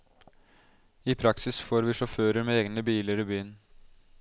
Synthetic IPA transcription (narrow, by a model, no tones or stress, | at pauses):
iːpʰɾɑksɪsfoːɾʋiːʂɔføːɾəɾmeːeːɡnəbiːləɾiːbyːn